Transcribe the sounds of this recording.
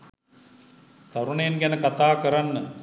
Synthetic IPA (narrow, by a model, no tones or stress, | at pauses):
t̪aɾuɳejenɡænəkat̪aːkəɾanːə